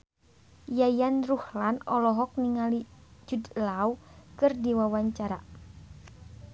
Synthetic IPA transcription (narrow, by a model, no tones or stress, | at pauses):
jajanruhlanɔlɔɦɔk̚niŋalid͡ʒud̪laukɨrdiwawaɲt͡ʃaɾa̰